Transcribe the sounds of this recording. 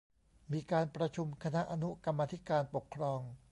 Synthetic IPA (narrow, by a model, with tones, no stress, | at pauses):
miː˧kaː˧npɾa˧t͡ɕʰu˧mkʰa˧na˦˥ʔa˧nu˦˥ka˧mːaː˧t̪ʰi˦˥kaː˧npo˨˩kʰːɾɔː˧ŋ